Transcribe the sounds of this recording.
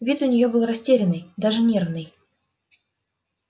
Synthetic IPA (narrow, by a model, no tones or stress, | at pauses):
vʲit̪ʊnʲɪjobɨlˠrɐsʲtʲeɾʲɪnɨjd̪aʐɨnʲervnɨj